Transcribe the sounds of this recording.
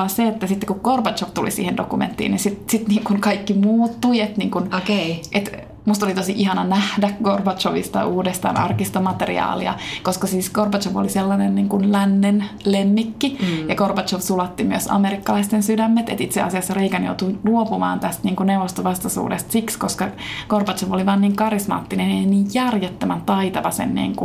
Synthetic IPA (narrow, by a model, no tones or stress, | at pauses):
ɑseet̪ːæsit̪ːe̥kukkorpɑt̪t͡ʃoʋt̪ulḭsḭːhendokumḛnt̪ːḭːninsit̪sit̪niːŋkunkɑikːimuːt̪ːuiet̪niːŋkunokeʔet̪ | must̪olit̪osiʔihɑnɑnæhdækkorpɑt̪t͡ʃoʋḭst̪ɑ̰ʔuːdest̪ɑ̰ːnʔɑ̰rkist̪omɑt̪erḭɑ̰ːlḭɑ̰koskɑsiːskorpɑt̪t͡ʃoʋo̰liselːɑnenniːŋkunlænːenlemːikːijɑkorpɑt͡ʃoʋsulɑt̪ːimyøsɑ̰meɾikːɑlɑist̪ensydæmːet̪ḛt̪it̪sḛɑ̰siɑsːɑreikænjo̰ut̪uluopumɑ̰ːnt̪æst̪niːŋkuneuʋost̪oʋɑst̪ɑsṵːdest̪sikskoskɑkorpɑt̪t͡ʃoʋoliʋɑːnniːŋkɑrismɑ̰ːt̪ːineneiniːjjærjet̪ːømænt̪ɑit̪ɑʋɑsḛnnḭːŋku